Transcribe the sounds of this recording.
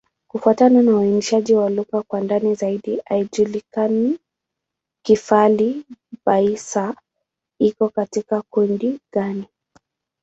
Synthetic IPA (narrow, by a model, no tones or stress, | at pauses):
kufuatananawainiʃaʄiwaluɣakwandanizaiɗiʔaiʄulikani | kifalibaisa | ikɔkatikakundiɠani